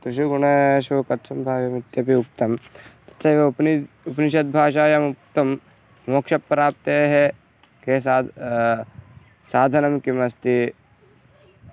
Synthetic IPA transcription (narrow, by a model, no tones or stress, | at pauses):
t̪ɾɪʃuɡuɳɐʃokɐt̪sʰɐmbʱaːjɐmɪt̪jɐpiuk̚t̪ɐmt̪ɐ̥t̪sɐʋepni | upniʃɐt̪̚bʱaːʃaːjɐmuk̚t̪ɐm | moːkʃɐpːɐɾaːp̚t̪eɦɛ | kesa | saːd̪ʱɐnɐmkimɐst̪i